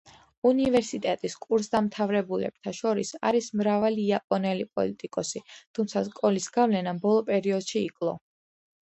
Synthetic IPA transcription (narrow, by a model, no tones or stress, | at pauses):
univɛɾsit̪ʼɛt̪ʼiskʼuɾsd̪amt̪ʰavɾɛbulɛ̰b̥̚t̪ʰaʃɔɾisa̰ɾismɾavaliːapʼɔnɛlipʼɔ̰lit̪ʼikʼɔsit̪ʰumt̪sʰaskʼɔlisɡavlɛnabɔlˠɔpʼɛɾiɔd̪̥ʃiːkʼlˠɔ̰